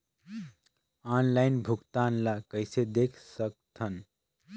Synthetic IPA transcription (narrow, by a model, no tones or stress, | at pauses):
aːnlaɪnbʱuɡt̪aːnlakəjsed̪ekʰsək̚t̪ʰən